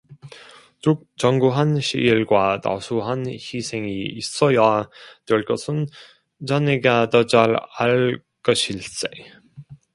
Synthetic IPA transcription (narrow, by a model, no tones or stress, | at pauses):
u | t͡ɕʌŋɡuɦanɕʰḭiɭɡwata̰sʰuɦançisʰe̞ŋiːs͈ʌjatweɭk͈ʌsʰɯn | t͡ɕaneɡadʌd͡ʑaɾaɭ | k͈ʌɕʰiɭs͈e